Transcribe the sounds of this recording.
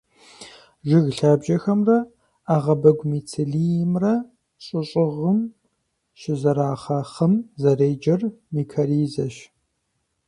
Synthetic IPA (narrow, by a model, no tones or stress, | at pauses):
ʒɪɣɬaːbʒɐxɐmrɐ | aːʁɐbɐɡʷmiːt͡sʰɪɮijmrɐ | ɕʼʊɕʼɪʁəm | ʃɪzɐɾaːχaːχɐmzɐreːd͡ʒɐrmiːkʰɐɾiːzɐʃ